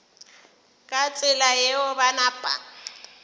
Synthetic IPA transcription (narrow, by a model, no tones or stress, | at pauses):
kʼat͡sʼɪlajeʊbanapʼa̰